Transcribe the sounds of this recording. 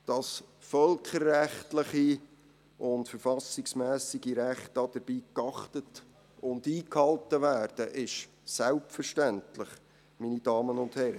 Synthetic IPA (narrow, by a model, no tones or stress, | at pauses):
d̥ɑsfœlkχəɾːæχtlɪχi | ʊntfəɾfɑsɪksmæːsɪɡ̥iɾæχtɑd̥əɾb̥iːkɑχtət | ʊndiːkhɑltəʋæːrd̥əʔɪʃ | sælpfəɾʃtæntlɪχ | minid̥ɑːmənʊndhɛɾə